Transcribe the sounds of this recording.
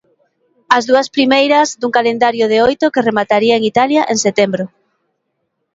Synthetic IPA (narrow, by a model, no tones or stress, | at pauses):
ɐzðuɐspɾimejɾɐzd̪uŋkalend̪aɾjʊð̞eojt̪ʊkeremat̪aɾiaeŋit̪aljaʔeŋset̪embɾʊ